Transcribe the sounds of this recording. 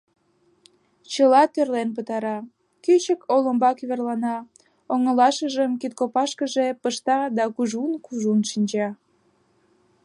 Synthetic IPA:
t͡ɕəlɑt̪ørlenp̬ət̪ɑɾɑ | kyt͡ɕəkoləmbɑkyβerlɑnɑ | oŋəlɑʃəʒəmkit̪̚kopɑʃkəʒepəʃt̪ɑd̪ɑkuʒunkuʒunʃinʲd͡ʑɑ

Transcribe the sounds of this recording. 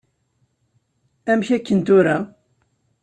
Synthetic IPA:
æmçækːənt̪ʊɾa

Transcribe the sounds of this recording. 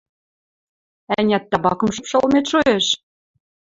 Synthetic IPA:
ænʲæt̪ːɑbɑkɤ̆mʃɤ̆pʃɤ̆lˠmet̪ʃojeʃ

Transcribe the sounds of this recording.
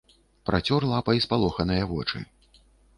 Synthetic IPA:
pɾʔa̰t͡sʲɔrlˠapɐispalˠɔxɐnɐjɐvɔt͡ʂɨ̰

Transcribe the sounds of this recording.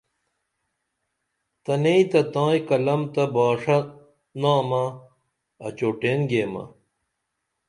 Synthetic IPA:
t̪ɐneit̪ɐt̪ãːjkɐlɐmt̪ɐbaːʂɐ | naːmɐ | ɐ̰t͡ɕoːʈeːnɡeːmɐ̰

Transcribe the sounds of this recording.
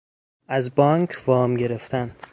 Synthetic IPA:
ʔæzbɒːŋkʰvɒːmɟe̞ɾe̞ft̪ʰæn

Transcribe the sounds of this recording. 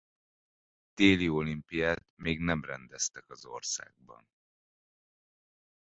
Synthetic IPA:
d̪̥eːliolimpijaːt̪meːɡnɛmrɛnd̪ɛst̪ɛkɒzo̞rsa̰ːɡ̚bɒ̰n

